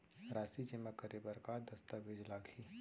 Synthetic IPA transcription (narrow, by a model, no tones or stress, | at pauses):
ɾaːsid͡ʒɪmakəɾebəɾkad̪ɐst̪abeːd͡ʒlaːɡʱi